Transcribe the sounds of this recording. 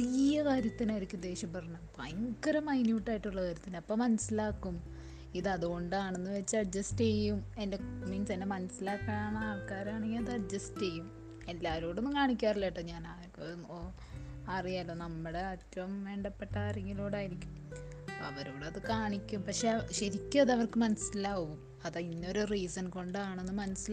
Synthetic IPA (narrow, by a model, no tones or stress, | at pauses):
ijɐkaːɾjɐt̪ːinaːjiɾikʲːumd̪e̞ːʂjɐmpɐrɐɲːɐmpɐjŋkɐɾɐmɐjnjiuʈːaːjiʈːuɭːɐkaːɾjɐt̪ːinɐpːoːmːɐnɐsilaːkːum | iðɨɐðuɣo̞ɳɖaːɳe̞nːɨʋet͡ɕːɨɐɖ̚d͡ʑɐsʈejːume̞ndemiːnsenːe̞mɐnɐsilaːkːaaːɳɨaːrkːaːɾaːɳeŋɡiɐðɨɐɖ̚d͡ʑɐste̞jːum | e̞lːaːʋɐɾoːɽenːɨkaːɳikʲːaːrileːʈːɐɲaːna | o | ɐrijaːlːo̞ːnɐmːuɽeɐtːɐʋɐmʋe̞ːɳɖɐpːe̞ʈːɐaːreŋɡiloːɽaːjiɾikʲːum | ɐʋɐɾoːɽɐðɨkaːɳikʲːumpɐkʂeɕɐɾikʲːɐðɐʋɐrkɨmɐnɐsːilaːɣɣum | ɐðinːo̞ɾuriːsɐnko̞ɳɖaːɳenːɨmɐnɐsila